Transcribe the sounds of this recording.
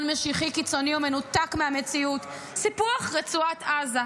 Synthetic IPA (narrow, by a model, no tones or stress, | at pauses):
nmeʃiχikit͡so̞niomenutakmeamet͡siut | sipuaχʁet͡suataza